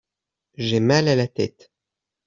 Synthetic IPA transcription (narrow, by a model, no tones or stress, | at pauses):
ʒɛmalalat̪ɛt̪